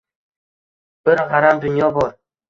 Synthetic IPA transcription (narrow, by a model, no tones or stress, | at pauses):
b̥ɪɾɦaɾamd̪ʊnjɒbɒɾ